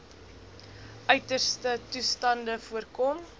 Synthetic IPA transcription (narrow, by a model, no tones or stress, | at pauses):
ʔœɥtərstətustɐndəfuərkɔm